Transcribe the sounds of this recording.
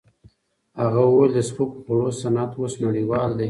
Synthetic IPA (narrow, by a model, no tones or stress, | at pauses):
haɣawoweld̪əspokxʊɽosanat̪wosloɽiwɑld̪e